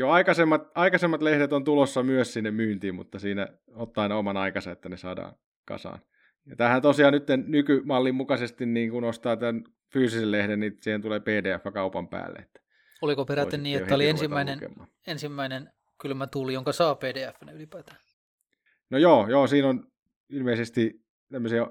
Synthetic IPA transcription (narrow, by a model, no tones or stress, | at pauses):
joɑikɑsemːɑt̪ɑikɑsemːɑt̪lehdet̪ont̪ulosːɑmyøssinːemmyːnt̪iːmmṵt̪ːɑsiːnæ̰ | ot̪ːɑɑinɑomɑnɑikɑsɑet̪ːænesɑːdɑ̰ːn | kɑ̰sɑ̰ːn | jɑt̪æhænt̪osiɑːnnyt̪ːennykymɑlːimmukɑsest̪inniːŋkunost̪ɑːt̪æn | fyːsisellehdennisiːhent̪uleːpeːdeːæfːækɑupɑmpæ̰ːlːḛḛt̪ːæ̥ | olikopeɾæt̪ːenniːehːæoliensimːæinenkḛmːɑ̰ː | ensimːæinen | kylmæt̪ulijoŋkɑsɑːpeːdeːæfːænylipæːt̪æ | nojoːjoːsiːnon | ilmeisest̪i | t̪æmːøsiɑ